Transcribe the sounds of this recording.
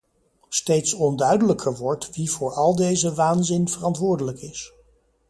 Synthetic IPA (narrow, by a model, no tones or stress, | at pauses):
stejtsɔndœɥdələkʰəɹʋɔɹtʋivʊːɹɑlˠdejzəʋaːnzɪnv̥ərɑntʋʊːɹdələkɪs